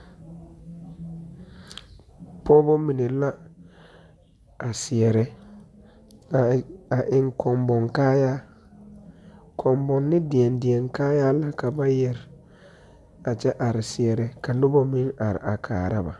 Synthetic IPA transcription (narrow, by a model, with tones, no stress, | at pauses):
pʰɔ˦bɔ˦mi˨ne˨la˦ | a˨sɪ˨ɛ˨ɾɛ˦˨ | a˨ʔɪ˨ŋkʰɔ˨mbɔ˨ŋkaː˦jaː˦ | kʰɔ˨mbɔ˨nːɪ˦dɪ˨ɛ˨ndɪ˨ɛ˨ŋkaː˦jaː˦la˦ka˨ba˦jɛ˨ɾɪ˨ | a˨t͡ʃɛ˦ʔa˨ɾɪ˨sɪ˨ɛ˨ɾɛ˦ka˨lʊ˦bɔ˦mɪ˦na˨ɾɪ̰˨ʔa˨kʰa̰ː˨ɾa˦ba̰˨